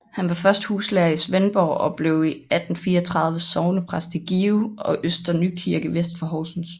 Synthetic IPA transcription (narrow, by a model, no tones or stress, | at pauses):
hænʋɑ̈fɶɐsd̥huːslɛɐisʋenb̥ɒ̰ːɒ̽b̥le̝ʊiæd̥n̩fiːɐɒt͡sʰʁɑ̈ðˠʋəsɒʊnəpʰʁasd̥ʰeɡ̥iːuɒ̽ʔøsd̥ɐnykʰiɐɡ̥əʋesd̥fɒɦɒːsn̩s